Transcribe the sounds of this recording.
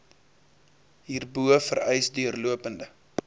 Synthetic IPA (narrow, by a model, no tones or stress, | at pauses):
ɦiːrbuəfəɾɛjsdyərluəpəndə